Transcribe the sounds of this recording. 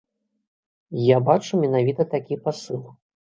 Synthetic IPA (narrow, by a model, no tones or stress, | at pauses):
jabat͡ʂumʲɛnavʲit̪ɐt̪akʲipasɨlˠ